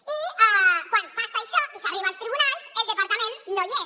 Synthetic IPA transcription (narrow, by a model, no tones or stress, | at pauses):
iakwãnd̪pasaeʃɔʔikaβɾemãst̪ɾiβunalseld̪epaɾt̪amẽnt̪noje